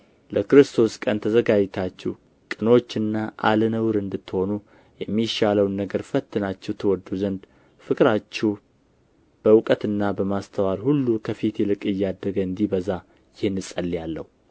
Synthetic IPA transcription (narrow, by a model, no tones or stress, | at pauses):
ləkɨɾɨst̪ʰo̞skʼənt̪ʰəzəɡad͡ʒt̪ʰat͡ʃːɛ̰w | kʼɨno̞t͡ʃːɨnːaʔa̰lənəwɾɨnd̪ɨt̪ːho̞nu | jɛmːiʃaləwnːəɡəɾfət̪ʰːɨnat͡ʃːɛwt̪ʰəwɔd̪ːuzənd̪ | fɨkʼɨɾat͡ʃːɛw | b̥əwʊkʼət̪ɨnːabəmast̪ʰəwalhulːukʰəfit̪jɛlɨkʼɨjːad̪ːəɡəɨnd̪ibəza | jɪhnːɨsʼəlːijalːə̰hu